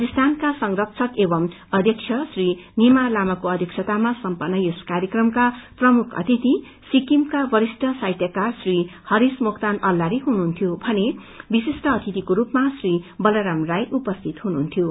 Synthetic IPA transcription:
kist̪ʰankasʌŋrʌpt͡sʰʌkebʌm | ʌd̪ʱjʌkt͡sʰjʌsrinimalamʌkoʌd̪ʱjʌksʰʌt̪amasʌmpʌnːʌjoskaɾjʌkrʌmkaprʌmukʰʌ̰t̪it̪i | sikimkabʌɾisʈʌsajt̪jʌkasrihʌɾismokt̪anʌlːaɾiɦununt̪ʰjobʱʌne | bisisʈʌːt̪ʰit̪ikoɾupmasribʌlʌɾamrajʔupʌst̪ʰit̪ɦununt̪ʰjo

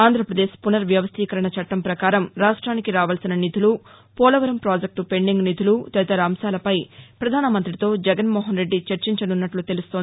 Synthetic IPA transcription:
aːnd̪ʱɾɐpɾɐd̪eːʃpunɐɾʋjɐʋɐst̪ʰiːkɐɾɐɳɐt͡ʃɐʈːɐmpɾɐkaːɾɐmɾaːʂʈɾaːnikiɾaːʋaːlsinɐnit̪ʰulu | pɔːlɐʋɐɾɐmpɾaːd͡ʒek̚ʈupe̞ɳɖiŋɡnit̪ʰulut̪ɛt̪ɐɾaːmsaːlɐpɐjpɾɐd̪ʱaːnɐmɐnt̪ɾit̪o̞ːd͡ʒɛɡɐnmɔːɦɐnɾeɖːit͡ʃɐɾt͡ʃiɲt͡ʃɐnunːɐʈlut̪e̞lust̪on

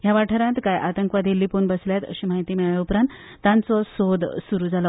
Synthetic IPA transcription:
jaʋaʈʰəɾãt̪kajʔat̪əŋkʋad̪ʱelːipunbəsljat̪ə̰ɕimaɦit̪iːmeɭaupɾãnt̪ːãnt͡sɔsod̪suɾuːd͡zalɔ

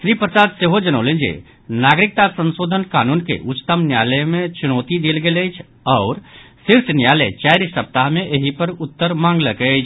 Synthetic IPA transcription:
ʃɾipɾəsaːd̪seːɦod͡ʒənoʊlẽnd͡ʒḛ | naːɡɾɪk̚t̪asə̃nsoːd̪ʱənkaːnuːnkḛʔʊt͡ʃt̪əmnjaːləmẽt͡ʃʊnoːt̪id̪eːlɡelət͡ʃʰ | ɔːɾ | sɪɾsenjaːlet͡ʃaːɾsəp̚t̪aɦmẽʔeɦipəɾʊt̪ːəɾmãːŋɡləkət͡ʃʰ

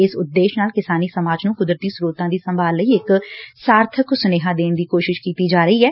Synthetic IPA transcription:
ɪsʊd̪ːeːʃnaːlkɪsaːniːsəmaːd͡ʒnũːkʊd̪ɾət̪iːsɾuːt̪ãːd̪iːsəmbʱaːlləiːɪksaːɾt̪ʰəksʊneːɦãːd̪eːnd̪iːkoːʃɪʃkiːt̪iːd͡ʒaːɾəiːɦɛː

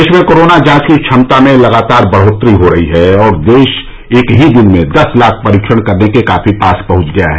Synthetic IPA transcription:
eːʃmẽkoːɾoːnad͡ʒãːt͡ʃkiʃʰɐmt̪amẽlɐɡaːt̪aːɾbɐɽ̤oːt̪ɾiɦoɾɐɦiɦɛɔːɾd̪eːʃ | eːkɦid̪ɪnmẽd̪ɐslaːk̚ʰpɐɾiːkʃəɽ̃kɐɾnekekaːfipaːspɐ̃ɦʊ̃t͡ʃɡɐja̰ɦɛ

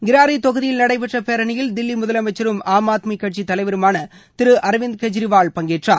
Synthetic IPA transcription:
ɡɪɾaːɾɪt̪ɔɣɯðɪjɪlnɐɽɐɪp̬ɛʈrɐpeːɾɐɳɪjɪld̪ɪlːimʊðɐlɐmɐɪt͡ʃːɐɾɯmaːmaːt̪mikːɐʈ̚t͡ʃit̪ɐlɐɪʋɐɾɯmaːnɐ | t̪ɪɾɯʔɐɾʋɪnd̪̚kɛd͡ʒɾɪʋaːɭpɐŋɡeːʈraː

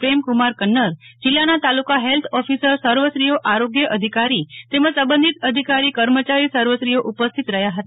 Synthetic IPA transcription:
pɾemkumaɾkənːəɾd͡ʒɪlːanat̪alukaɦelt̪ʰɔfisəɾsəɾʋəsɾijoʔaɾoɡjəʔəd̪ʱikaɾit̪emə̃sə̃bə̃nd̪ʱit̪əd̪ʱikaɾikəɾmət͡ʃaɾisəɾʋəsɾijoʔupəst̪ʰit̪ɾəɦjaɦət̪a

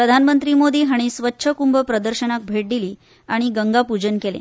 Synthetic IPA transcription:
pɾəd̪ʱanmənt̪ɾiːmod̪iːɦaɽ̃isʋətːɕʰəkumbəpɾəd̪əɾɕənak̚bʱeʈ̚d̪iliː | aɽ̃iɡəŋɡapud͡ʑənkelḛ̃

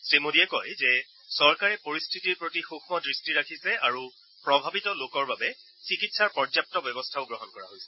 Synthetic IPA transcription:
sɹimodiɛkojzɛ | sɔɹkaɹɛpoɹistʰitiɹpɹotixuxʰmɔdɹistiɹakʰisɛaɹu | pɹɔbʱabitɔlokɔɹbabɛ | sikitsaɹpɔɹd͡ʒap̚tɔbjɔbɔstʰaʊɡɹɔɦɔnkɔɹa̰ɦojsɛ̥

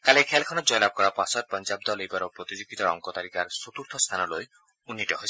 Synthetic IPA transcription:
kalekʰɛlkʰɔnɔd͡ʒɔjlab̚kɔɾapasɔt̚pɔnd͡ʒab̚d̪ɔlejbaɾopɾot̪id͡ʒoɡit̪ɔɾɔ̰ŋkɔt̪aɾikaɾsot̪uɾt̪ʰɔst̪ʰanɔloj | unːitɔɦojʰ

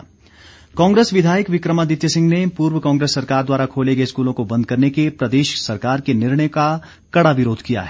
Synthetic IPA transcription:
kɔ̃ːŋɡɾeːsʋɪd̪ʱaːjəkʋɪkɾəmad̪ɪt̪jəsɪ̃ŋɡnepuːɾwəkãːŋɡɾeːsːɐɾkaːɾd̪waːɾakʰoːleɡəeskuːlõkobɐ̃nd̪̚kɐɾnekepɾɐd̪eːʃsɐɾkaːɾkenɪɾɳ̃əjka | kɐɽaʋɪɾoːd̪ʱkija̰ɦɛː

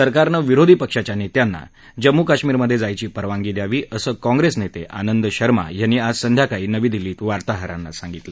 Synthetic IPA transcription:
səɾkaɾnəʋiɾod̪ʱiːpəkʂat͡ɕjanet̪janːa̰ | d͡ʑəmːukaɕmiːɾməd̪ʱjed͡zajt͡ɕiːpəɾʋaŋɡiːd̪jaʋiːʔəsəːkɔ̃ŋɡɾesnet̪eʔanənd̪ɕəɾma̰janːiːad͡zsənd̪ʱjakaiːnəʋiːd̪iliːt̪ʋaɾt̪aɦəɾanːasaŋɡit̪lə

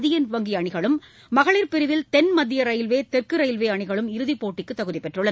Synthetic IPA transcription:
ðɪjɐnʋɐŋɡɪɐɳɪɣɐɭɯmː | ɐɣɐɭɪɾpɪɾɯʋɪlt̪ɛnmɐd̪ːɪjɐɾɐɪɪlʋeːt̪ɛrkɯɾɐɪlʋeːɐɳɪɣɐɭɯmɪɾɯðipːoːʈːɪkːɯt̪ːɐɣɯðɪpːɛʈrɯɭɐn

